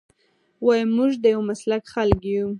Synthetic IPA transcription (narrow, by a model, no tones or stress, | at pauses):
wajəmuʒd̪əjawmaslakxalkju